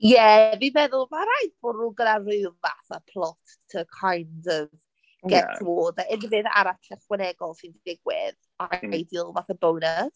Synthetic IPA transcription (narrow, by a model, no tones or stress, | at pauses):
jɛvivɛðʊlˠmaɾajdb̥ʊduɡənarɨðva̰θapʰlˠɔt | tʰəkʰajndɔv | ɡ̥ɛwoːdaɛnvɨða̰ɾatʰɛχwɛnɛɡɔlˠsindɪvɪɡwɪ̰ð | ajdɪlˠvaθabownas